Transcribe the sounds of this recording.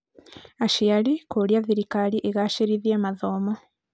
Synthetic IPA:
aʃijalikoljaðiɾikaliʔeɣaʃiɾiðeːmaðomo

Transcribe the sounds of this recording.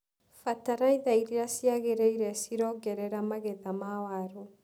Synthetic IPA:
fataɾaiðaiɾiɾasiaɣeɾeiɾɛsiɾɔɡɛɾɛɾamaɣɛðamawaɾo

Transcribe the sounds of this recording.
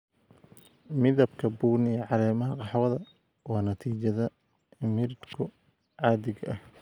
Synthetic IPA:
mɪðɐbkʰɐbuːniɛʕɑɾɛːmɐɦɐqɑħwɐðɐ | wɑːnɐt̪ʰiːt͡ʃɐðɐ | mɪɾɪd̪kʰʊ | ʕɑːdɪɣɐʔɐh

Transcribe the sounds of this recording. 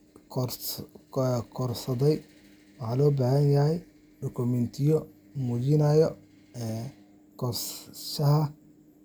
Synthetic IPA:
kʰɔrsɐðɛj | wɑħɑːlɔːbaːhɐnjɐhɛj | ɖɔkʰʊmɛnt̪ʰɪjɔ | mud͡ʒɪnɐːjɔ | ɛ | kʰɔrsʃɐhɐ

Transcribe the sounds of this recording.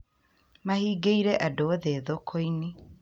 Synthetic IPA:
mahiːɡeiɾɛʔadooðeðokʰoini

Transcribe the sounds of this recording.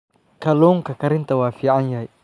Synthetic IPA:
kaluŋkakaɾiŋt̪awafiʔanjaj

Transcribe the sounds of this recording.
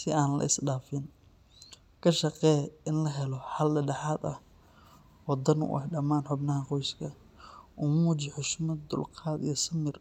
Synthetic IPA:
sɪaːnlɐ̰ɪsɖaːfɪn | kʰɐʃɐqɛːjɪnlɐɦɛlɔħɐldɐɖɐħaːd̪ɐ̰h | wɑd̪ɐnʊ̰ʔɐ̰hɖɐmaːnħʊbnɐɦɐqɔjskʰɐ | ʔʊmuːt͡ʃɪħʊʃmɐd̪ʊ̰lqʰɑːd̪ḭjɔsɐmɪr

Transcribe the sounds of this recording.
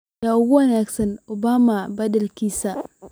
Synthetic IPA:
jaʊɡuwɐnaksɐnʊbamabadɛlkisa

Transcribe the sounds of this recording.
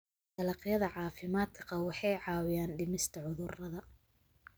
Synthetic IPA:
d̪ɐlɐqjɐðɐʕɑːfɪmaːd̪kʰqɐwɑħɑjʕɑːwɪjaːnɖɪmɪst̪ʰɐʕʊðʊrɐðɐ

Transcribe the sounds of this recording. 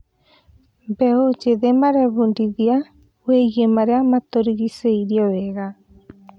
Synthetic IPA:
beod͡ʒeðemaɾeβundiðia | wejemaɾeamat̪oɾiɡiseiɾioeɣa

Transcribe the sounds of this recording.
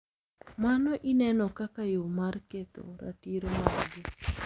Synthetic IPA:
manɔʔinɛnɔkakajomarket̪o̰ɾa̰tiɾomaɾɡɪ

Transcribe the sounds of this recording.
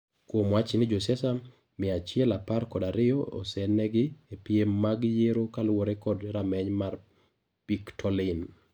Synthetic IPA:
kwomwat͡ʃɪnɪd͡ʒosɛsa | mɪat͡ʃɪɛlaparkɔdaɾɪjɔɔ̰sɛnɛɡɪepiemːaɡjeɾokalwoɾɛkɔdɾamɛɲmar | piktʰɔlɪn

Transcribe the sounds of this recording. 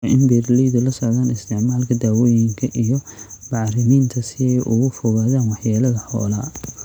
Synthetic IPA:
ʔɪnbɛːrlɛjðɐlɐsɔʕðaːnɪst̪ʰɛʕmaːlkʰɐd̪aːwɔːjɪŋkʰɐʔijɔb̥ɑʕɾɪmiːnt̪ʰɐsɪɛjʔʊɣʊfɔɣaːðaːnwɑħjaːlɐðɐħɔ̰ːlaː

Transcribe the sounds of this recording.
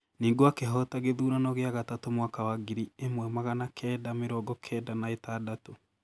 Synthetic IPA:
niːŋɡoakɛɦɔtaɣeðuːɾanɔɣeaɣatatomwakawaɡiɾiemwɛmaɣanakʰɛːdameɾɔːɡɔkʰɛːdanaetaːdato

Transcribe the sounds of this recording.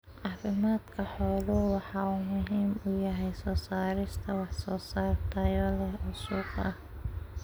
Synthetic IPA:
ʕɑːfɪmaːd̪kʰɐħɔːðɔwɑħɑːuːmʊɦiːmʊjɐɦɛjsɔːsaːɾɪst̪ʰɐwɑħsɔːsaːrt̪ʰɐjɔlɛhʕʊsuːkʰɐh

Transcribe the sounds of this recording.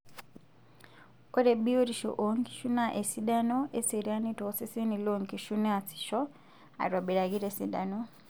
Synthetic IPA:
koɾebioɾiʃo̰ʔoŋki̥ʃunaʔesidanoeseɾanitoseseniloŋkiʃunasi̥ʃo | a̰ɾwaβiɾaɣiɾesḭda̰no

